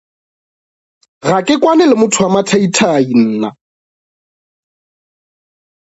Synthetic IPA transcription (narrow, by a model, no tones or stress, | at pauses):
ɣakʼɪkʼwanɛlɪmʊtʰʊamatʰaitʰain̩ːna̰